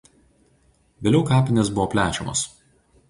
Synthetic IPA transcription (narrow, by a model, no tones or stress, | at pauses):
ʋʲeːlʲɛʊkɑːpʲɪnʲes̬bʊʋɔːpʲlʲæːt͡ʃʲɛ̰mo̰s